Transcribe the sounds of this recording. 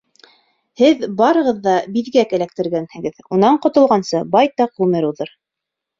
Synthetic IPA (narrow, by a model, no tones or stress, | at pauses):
hɘðbɑɾɤ̆ʁɤðːɑbiðɡækælæk̚t̪ɘ̆ɾɡænhɘ̆ɡɘðunɑɴqŏt̪ŏlˠʁɑnsɤbɑjt̪ɑqʁʉmɘɾuðɤɾ